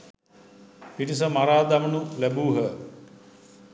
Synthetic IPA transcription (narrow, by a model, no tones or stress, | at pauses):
pinis̬əmaɾaːd̪amənulæbuːɦə